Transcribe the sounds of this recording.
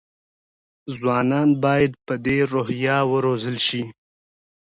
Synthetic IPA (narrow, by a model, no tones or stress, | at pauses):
zwɑːnɑːnbɑjad̪̚pəd̪eɾoɦjɑwəɾozəlʃi